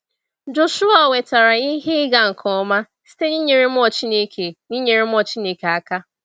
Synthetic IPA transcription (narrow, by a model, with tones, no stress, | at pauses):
d͡ʒʊ˦su˦ɔ˦˨we˨ta˨ɾa˨i˦ɦe˦ɡa˨ŋ̩˨kʰɔ˨˦ma˦ | si̥˦te˦ɲi˦ɲe˨ɾe˦m˦ɔ˦˨t͡ʃi˦ne˦kʰe˨ɲi˦ɲe˨ɾe˦m˦ɔ˦t͡ʃi˦ne˨ke˨a˨ka˦